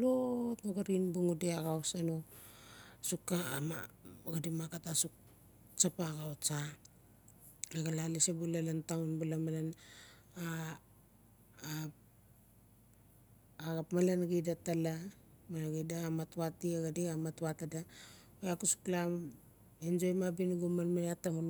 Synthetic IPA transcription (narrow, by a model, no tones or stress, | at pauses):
lotmoɡaɾinbuŋudeaɡawsano | sukːama̰ɡadimakatasuk̚ | t͡ʃapaɡawt͡ʃa | eɡalalisebulalantaunbulamalan | a | ɡapmalanɡidatalamalaɡidaːmatwatiaɡadiamatwatada | ojakusu̥klam | end͡ʒojmabinɡumanmanatːamul